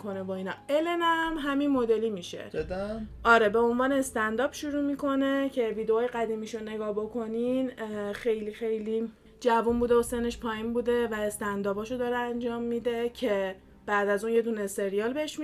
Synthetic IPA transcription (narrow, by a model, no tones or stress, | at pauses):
kʰonevoiːnɒelenæmɦæminmo̞d̪e̞limiːʃḛ | ʔɒːɾe̞be̞o̞nvɒːneːst̪ænd̪ɒːb̥ʃuɾuːmiːkʰo̞ne̞cʰe̞viːd̪eoːjɣæd̪iːmiʃone̞ɡɒːhbo̞kʰo̞ninxe̞jlixe̞jli | d͡ʒævunbuːd̪eosene̞ʃpʰɒːjinbuːd̪e̞væest̪ænd̪ɒːbɒːʃod̪ɒːɾeænd͡ʒɒːmːid̪e̞cʰe̞ | b̥æd̪æzuːnje̞d̪uːnese̞ɾiɒlbe̞eʃm